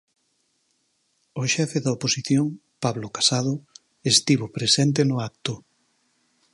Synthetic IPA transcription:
ʊʃɛfeðɐoposiθjoŋ | paβlokḁsaðʊ | est̪iβopɾesent̪̬enʊak̚t̪ʊ

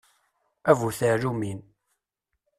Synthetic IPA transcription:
ævuθəɾumin

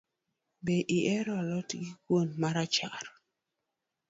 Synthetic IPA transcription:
beʔiʔɛɾɔlɔtɡikwonmaɾat͡ʃaɾ

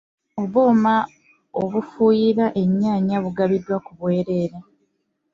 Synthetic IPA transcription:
o̞βuːma | oβufuːjiɾaʔe̞ɲːaːɲaβuɡaβidwakuβwe̞ːɾe̞ːɾe

